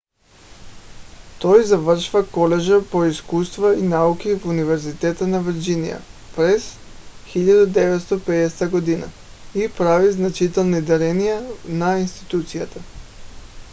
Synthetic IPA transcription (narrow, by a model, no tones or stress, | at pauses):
t̪ojzaʋr̩ʃʋakoleʒapoiskuːst̪ʋainaukivuniʋe̞ɾzit̪eːt̪anaʋr̩d͡ʑinija̰pɾes | xiʎad̪ud̪eʋet̪st̪oped̪eset̪aɡod̪ina̰ | ipɾaʋiznat͡ʃit̪elnid̪eɾenijanainst̪i̥t̪uːt̪sijat̪a